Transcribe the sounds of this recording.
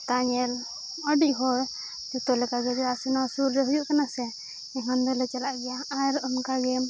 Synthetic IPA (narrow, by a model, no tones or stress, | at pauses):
t̪aɲɛl | ɔɖiʔɦɔɾ | d͡ʒut̪ɔlɛkaɡɛd͡ʒɔasunasuɾːɛɦujuʔkanasɛ | ɛŋand̪ɔlɛt͡ʃalaʔɡɛjaaɾɔmkaɡɛm